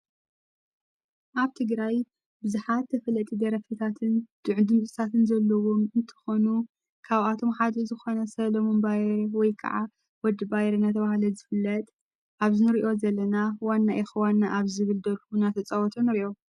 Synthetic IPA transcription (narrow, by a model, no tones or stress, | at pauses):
ʔaβt̪ʰɨɡɾaj | bɨzuħat̪ːʰɐfɐlɐt̪ʼid̪ɐɾɐfit̪ʰat̪ʰɨnd̪̥ɨʕd̪ɨmt͡sʼɨt̪ʰat̪ʰɨnzɐlːɐwo̞mɨnt̪ʰɐ̥xonu | kʰaβat̪ʰo̞mħad̪ɐzɨxo̞nɐsɐlɐmonbajɛɾwɔjkʰɐ̰ʕa | wɔd̪ːɨbajɛɾɐnat̪ʰɐβahlɐzɨfɨlːɐt̪ʼ | ʔaβzɨnɨɾiʔo̞zɐlːɐnawanːaʔixɐwanːaʔaβzɨβɨld̪ɐlkunat̪ʰɐt͡sʼɐwɔt̪ʼʰonɨɾiʔo̞